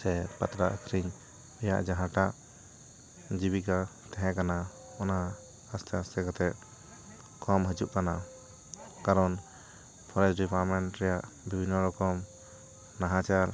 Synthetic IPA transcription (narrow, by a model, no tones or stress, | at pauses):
sɛpa̰t̪ɾaʔəkʰɾiɲ | ɔja̰ʔd͡ʒaɦãʈaʔ | d͡ʒibikat̪ɛɦɛ̃kana | ɔnaː | st̪ʰɛast̪ʰɛkat̪ɛʔ̪ | kʰɔmɦəd͡ʒuʔkana | kaɾɔn | pʰɔɾɛd͡ʒɖipaɾmɛɳʈɾɛjaʔ | bʱibʱinːɔɾɔkɔm | naɦãt͡ʃaɾ